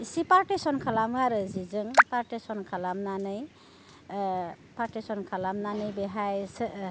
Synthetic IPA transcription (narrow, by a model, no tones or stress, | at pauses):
sipaɾʈesɔnkʰalamɯaɾɯzizɯŋpaɾʈesɔnkʰalamnanɯj | paɾʈisɔnkʰalamnanɯjbeɦajs